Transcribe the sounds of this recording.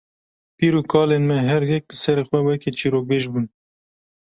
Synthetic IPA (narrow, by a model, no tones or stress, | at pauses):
piːɾuːkʰɑːleːnmɛɦɛɾjɛk̚lɨsɛɾeːxwɛwɛket͡ʃiːɾoːk̚beːʒbuːn